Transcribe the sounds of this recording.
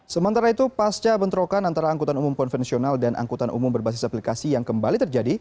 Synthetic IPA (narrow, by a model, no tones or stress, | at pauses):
səmənt̪aɾait̪upast͡ʃabənt̪ɾokanant̪aɾaːŋkut̪anumʊmkɔnfɛnsionaldanʔa̰ŋkut̪anʔṵmʊmbərbas̬ɪ̥saplikasijaŋkəmbalit̪ərd͡ʒadi